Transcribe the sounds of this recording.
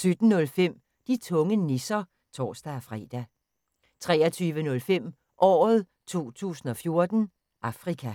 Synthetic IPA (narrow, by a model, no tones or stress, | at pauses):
sød̥n̩ːɔ̽lfem̰ | d̥it͡sʰɔ̽ŋənisɐ | t͡sʰɒ̰ːsd̥æfʁɛ̰ːd̥æ | t͡sʰʁɛːɐt͡sʰyːʋənɔ̽lfem̰ | ʔɒ̰ːð̞ˠ | t͡sʰo̝̰ːt͡sʰṵːsn̩ɒ̽fjo̝ɐd̥n̩ | ʔɑ̈fʁikʰæ